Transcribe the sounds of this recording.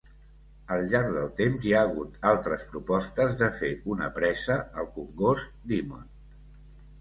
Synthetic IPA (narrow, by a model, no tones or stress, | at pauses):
əlˠʎaɾɡðəlˠt̪emzjaːɣ̞ut̪alˠt̪ɾəspɾupɔst̪əzðəfeʔunəpɾɛzəəlˠkuŋɡos | d̪imo̰n